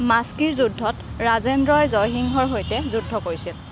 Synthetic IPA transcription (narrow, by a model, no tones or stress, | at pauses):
maskiɹzudʱɔtɹazendɹɔjzɔjɦiŋɦɔɹɦojtɛzudʱːɔkoɹisil